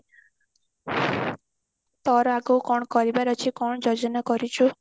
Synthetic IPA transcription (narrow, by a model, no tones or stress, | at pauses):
t̪ɔɾɔaɡowkɔɳ̃ɔkɔɾibaɾɔt͡ʃʰikɔɳ̃ɔd͡ʒɔd͡ʒɔnakɔɾit͡ʃʰu